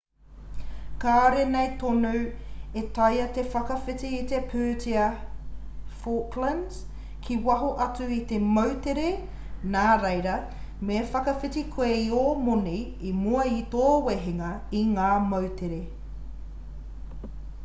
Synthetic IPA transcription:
kaːɾenejt̪onuwetɐjɐt̪efɐkɐfit͡siːt̪epʰøːtiɐ | foklɐns | kʰiwɐɦoʔɐt͡suit̪emɐwteɾe | naːɾejɾɐ | mefɐkɐfitikʰweiomoni | imuɐit̪oːweɦeŋɐiŋaːmɐwtʰeɾe

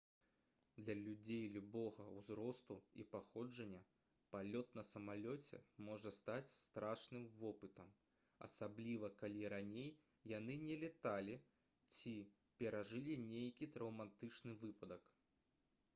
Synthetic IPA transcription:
d̪lʲɐlʲud͡zʲejlʲubɔɣɐwzɾɔst̪uḭpaxɔd͡ʐɐnʲːɐ | palʲɔt̪nɐsɐmalʲɔt͡sʲɛ̰mɔʐɐst̪at͡sʲst̪ɾʔaʂnɨmvɔpɨt̪ɐm | ɐ̰sablʲivɐkalʲiɾanʲejː | anɨnʲɛlʲɛt̪alʲi | t͡sʲi | pʲɛɾaʐɨlʲinʲejkʲit̪ɾɐwmat̪ɨt͡ʂnɨvɨpɐd̪ɐk

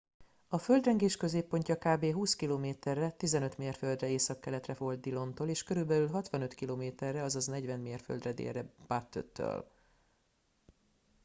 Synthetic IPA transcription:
ɒfø̞ld̪rɛŋɡeːʃkø̞zeːpːo̞ɲcɒkaːbeːɦuːskiloːmeːt̪ɛrːɛt̪izɛnø̞t̪meːrføld̪rɛeːsɒkːɛlɛt̪rɛfo̞ld̪̚d̪ilo̞nt̪oːleːʃkø̞ɾylbɛlylɦɒt̪ʋɒnø̞t̪kiloːmeːt̪ɛrːɛɒzɒznɛɟvɛnmeːrfø̰ld̪rɛd̪ḛːrːɛb̥aːt̪ːø̰t̪ːø̰ɒ̰l

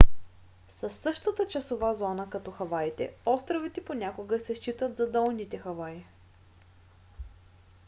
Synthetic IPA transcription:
sɐsːɤʃt̪ət̪ət͡ʃɐsovazɔnəkɐt̪ɔxɐvajit̪ɛ̰ɔst̪ɾovit̪ɛponʲakoɡəsɛʃt͡ʃit̪ət̪zɐd̪ɔlˠnit̪ɛxɐvaji

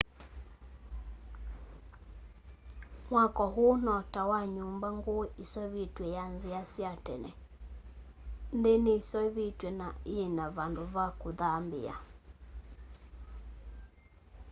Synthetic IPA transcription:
mwakɔɦonɔtawaɲumbaŋɡoeʔisɔβitwɛjanziasjatɛnɛ̰ | ndenesɔiβitwɛnaienaβandoβakoðambɪ̰a̰

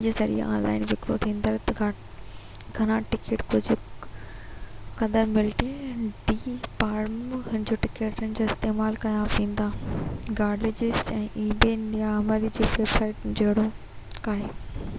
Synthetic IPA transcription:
d͡ʑesɐɾḭɔ̰̃ːnla̰ːɪnʋɪkɾo̰t̪ʰĩːnd̪aɾt̪ɐɡa | ɡʱɐnãʈɪkeːʈkʊd͡ʑʱʊ | kɐd̪əɾmɪlʈiɖiːpaːɾmɦʊnɪd͡ʑoːʈɪkeːʈənɪ̆d͡ʑoːɪst̪eːmaːlkɐjãʋĩːn̆d̪aːɡaːɖled͡ʑɪzɛ̃ːʔiːbeːnjaməɾid͡ʑiːʋeːbsaːɪʈ̚d͡ʑɐɦɪɽo | kaːɦeː

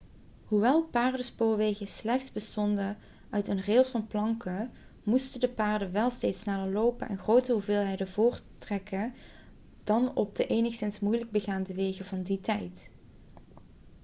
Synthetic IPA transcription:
ɦuʋɛlˠpaːɹdəspoːɹʋejɣəslɛxtsbəstɔndə | œɥtənreːlˠsfɑnplɑŋkə | mustədəpaːɹdəʋɛlˠstejtsnaːdəɹlowpənʔɛ̰nχrowtəɦuvɪːlˠɦɛjdəvʊːɹtrɛkə | d̥ɑnɔb̚dəʔejnəxsɪnsmujləɡ̚bəɣaːndəʋejɣəvɑnditɛjt

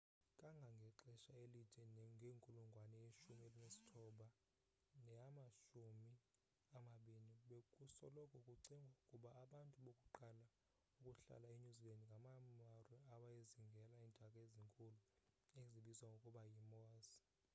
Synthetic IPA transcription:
kʼaŋɡʱaŋɡʱɛǁɛʃaelitʰʼɛnŋɡʱeŋkʼuluŋɡʱwanɛjeʃumielinesi̥tʰɔɓa | nɛamaʃumi | amaɓiniɓekʼusɔ̰lɔkʼʰɔkʼuǀiŋɡʱaukʼuɓaːɓantʼuɓokʼuǃala | ukʼuɬa̰laeɲuzilɛndŋɡʱamamarwɛaɓajeziŋɡʱɛlaiːndʱʼakʼaeziŋkʼulueziɓizwaŋɡʱokʼuɓajimoːsi̥

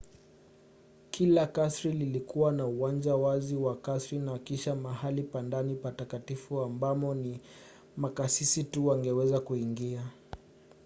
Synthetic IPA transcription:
kʰilakasɾililikuwanauwand͡ʒawaziwakasɾinakiʃamahalipandanipatakatifuambamɔni | makasisituwaŋɡɛwɛzakuiŋɡia

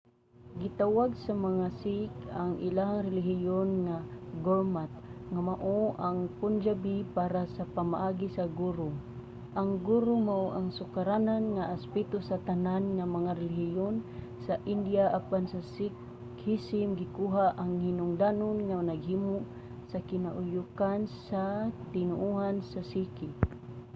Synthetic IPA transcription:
ɡɪt̪awaɡsamaŋasikaŋʔɪ̰laɦaŋɾɪlɪɦɪjonŋaɡoɹmat̪̚ŋamaʔoʔaŋpʊnd͡ʒabipaɾasapamaʔaɡisaɡuːɾo | ʔaŋɡuɾomaʔoʔaŋsʊkaɾananŋaʔaspɛt̪osat̪ananŋamaŋaɾɛlɪhijon | saʔind̪jaʔapansasi | hisɪmɡikuɦaʔaŋhinʊŋd̪anonŋanaɡɦimu | sakɪnaʔʊjukansat̪ɪnʊʔuɦansasiki

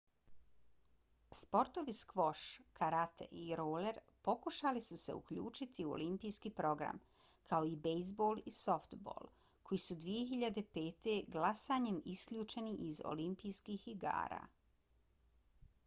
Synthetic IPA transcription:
spo̞ɾt̪o̞ʋiskʋo̞ʃkaɾat̪e̞̰ʔiɾoːleɾ | po̞kuʃalisuse̞ṵkʎṵːt͡ʃit̪ʰiuo̰limpijskiːpɾo̞ɡɾa̰m | kʰaoibejzbo̞ːlˠiso̞ft̪bo̰ːlˠ | kʰo̞jisud̪ʋije̞xiʎad̪e̞pe̞ːt̪e̞ɡlasaːɲemiskʎʲuːt͡ʃe̞niʔizo̞̰limpijskihiɡa̰ːɾa̰ː

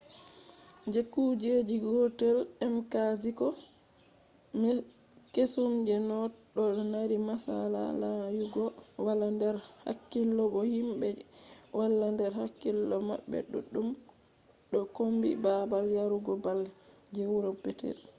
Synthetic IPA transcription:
d͡ʒekːud͡ʒed͡ʒiɡɔtɛlɛmkazikɔ | m | kesumd͡ʒɛnɔɗɔnaɾimasa̰la̰lajuɡɔwalandɛɾha̰kːilːɔbɔhimbɛwalːandɛɾhakːilːɔma̰ɓːɛ̰ɗṵɗːum | ɗɔkombḭbabaljaɾuɡɔbal | d͡ʒewɾɔbɛtɛ̰l

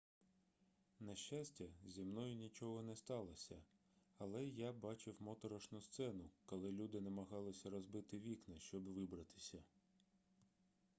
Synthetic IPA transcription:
nɐʃt͡ʃasʲtʲɐzʲimnɔjʊnʲit͡ʃɔɦɔnɛst̪ɑlˠɐsʲɐ | ɐlˠɛjabɑt͡ʃɪwmɔt̪ɔɾɔʃnʊst̪sɛnʊkɔlˠɪlʲud̪ɪnɐmɐɦɑlˠɪsʲɐɾɔzbɪt̪ɪʋʲiknɐʃt͡ʃɔbʋɪbɾɐt̪ɪ̥sʲɐ

